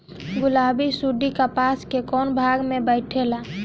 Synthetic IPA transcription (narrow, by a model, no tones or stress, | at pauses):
ɡʊlabisuɖikapaskekɔnbʱaɡmẽbəɪʈʰela